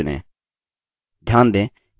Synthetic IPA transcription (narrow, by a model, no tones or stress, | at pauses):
nɛ̰ | d̪ʱjãːnd̪e